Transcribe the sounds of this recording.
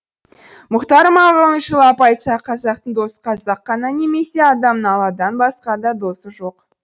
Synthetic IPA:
mʊqt̪ɑɾəmɑʁələnʃəlˠɑpɑjt̪sɑqʰɑzɑq̚t̪əɴd̪o̞sə̥qʰɑzɑqːɑnɑne̞me̞se̞ɑd̪ɑmnəɑlˠɑd̪ɑnbɑsqɑd̪ɑd̪o̞səʒo̞q

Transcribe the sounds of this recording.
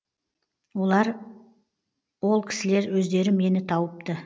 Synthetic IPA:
wo̞lˠɑɾ | wo̞lˠkʲʰɪ̥sɪle̞ɾwɵzd̪e̞ɾɪme̞nɪt̪ʰɑwəp̚t̪ə

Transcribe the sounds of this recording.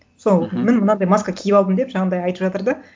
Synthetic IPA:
sonmɪnmənɑnd̪ɑjmɑskakʲʰɪjɪpɑlˠd̪əmd̪e̞pʒɑɴənd̪ɑjɑjt̪əpʒɑt̪əɾd̪ə

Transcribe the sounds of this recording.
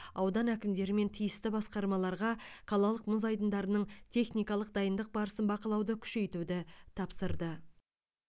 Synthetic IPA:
ɑwd̪ɑnækʲɪmd̪e̞ɾɪme̞nt̪ʰijəst̪ɪbɑsqɑɾmɑlˠɑɾʁɑqʰɑlˠɑlˠəqmʊzɑjd̪ənd̪ɑɾənəɴt̪ʰe̞χnijkɑlˠəq̚d̪ɑjənd̪əq̚bɑɾəsənbɑqəlˠɑwd̪əkʲʰʏ̥ʃe̞jt̪ud̪ɪt̪ʰɑpsəɾd̪ə

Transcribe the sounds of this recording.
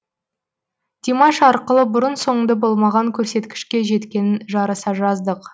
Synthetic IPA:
d̪̥ʲimɑʃɑɾqəlˠəbʊɾənso̞ɴənd̪ɑbo̞lˠmɑʁɑŋkʲʰɵɾse̞t̪kʲɪ̥ʃkʲe̞ʒe̞t̪kʲe̞nɪnʒɑɾɑsɑʒɑzd̪əq

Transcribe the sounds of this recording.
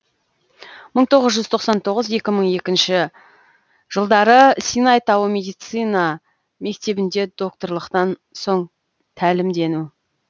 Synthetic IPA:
məɴt̪ʰo̞ʁəzʒʏz̥t̪ʰo̞qsɑnt̪ʰo̞ʁəze̞kʲɪməɴe̞kʲɪnʃɪ | ʒəlˠd̪ɑɾəsʲinɑjt̪ɑwəmʲe̞d̪ijt̪sɨjnɑ | me̞k̚t̪e̞bɪnd̪e̞d̪o̞k̚t̪o̞ɾlˠəqt̪ɑnso̞ɴ | t̪ʰælɪmd̪e̞nu

